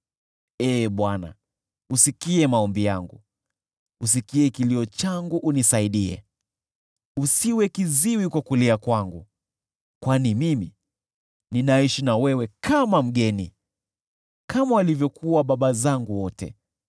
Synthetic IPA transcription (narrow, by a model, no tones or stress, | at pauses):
ɛːɓwana̰ | usikiɛmaɔmbijaŋɡṵ | us̬ikiɛkiliɔt͡ʃaŋɡuʔunisaiɗiɛ̰ | usiwɛkiziwikwakuliakwaŋɡu | kwanimimi | ninaiʃinawɛwɛkamam̩ɠɛnḭ | kamawalivjɔkʰuwaɓaɓazaŋɡuwɔtɛ̰